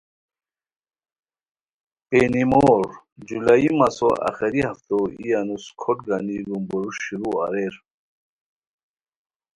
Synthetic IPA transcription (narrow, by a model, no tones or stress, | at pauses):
penimoɾ | d͡ʑulaimasɔʔa̰xɛɾihaft̪ɔijanuskʰɔʈɡanilumbɔɾuʃiɾua̰ɾeɾ